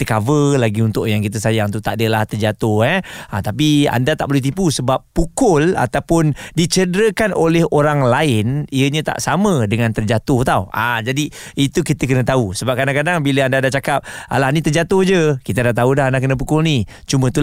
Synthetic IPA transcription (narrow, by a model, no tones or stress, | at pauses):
t̪əkavəlaɡiunt̪ʊʔjaŋkit̪̬əsajaŋt̪ut̪a̰ʔdəlaht̪ərd͡ʒat̪ʊhɛət̪ap̬ia̰ndat̪aʔbolɛht̪̬ipusəbapːukʊla̰t̪awpʊndit͡ʃədəɾəkanʔolɛhoɾaŋlaɪniəɲãt̪a̰ʔsamə̃dəŋãnt̪ərd͡ʒat̪ʊht̪awʔad͡ʒadiit̪ukit̪əkənə̃t̪ausəbap̚kadaŋkadaŋbiləandadat͡ʃakap̚a̰lahnit̪ərd͡ʒat̪ʊhd͡ʒəkit̪ənaʔt̪audaɦandakənə̃p̬ukʊlni | t͡ʃumə̃t̪u